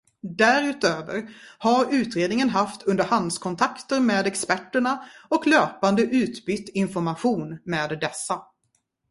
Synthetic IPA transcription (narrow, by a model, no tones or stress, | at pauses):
d̪æɾʉ̟ːt̪øːvə̰ɾhaɾʉ̟ːt̪ɾeːd̪nɪŋənɦaft̪ɵnd̪əɾhand̪skʰɔnt̪ʰakt̪əɾmeːd̪ɛkspæʈːəɳaɔkløːpand̪əʔʉ̟ːt̪bʏt̪ːɪnfɔɾmaɧuːnmeːd̪d̪ɛsːa